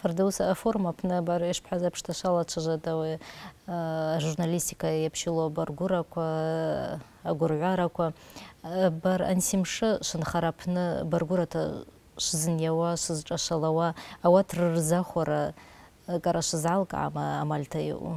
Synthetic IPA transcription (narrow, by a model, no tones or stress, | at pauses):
fardausaaformapʰnɨabaɾiʃʷpʰħazapʰʂtʰaʃʷalat͡ʃʷʰaʒʷatʼawi | ʒurnalistʰikʰajapʰʃɪlobarɡʷʊɾakʷʰa | ɡʷʊrʕʷaɾakʷʰa | baɾa̰nsimʂɨʃʷɨnχaɾapʰnɨbarɡʷʊɾatʰa̰ | ʃʷzɨnjawaʂʷɨzʈ͡ʂʼaʃʷalawaːwatʰrɨrzaχʷaɾa | kʼaɾaʃʷɨzʕalkʼʕa̰maːmalʲtʰajɪ̰ʔṵ